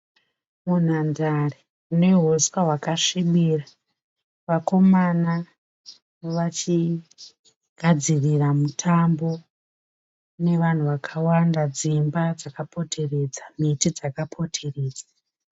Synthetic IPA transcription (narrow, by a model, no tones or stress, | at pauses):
mun̤andare | une̞ɦoswaɦwakaʂiɓira | ʋako̞mana | ʋat͡ʃi | ɡ̥ʱad͡ziriramutʰambo̞ | ne̞ʋan̤uʋakʰawandad͡zimbad͡zakapo̞tʰe̞re̞d͡zam̤itid͡zakapʰo̞tʰe̞re̞ːd͡zḁ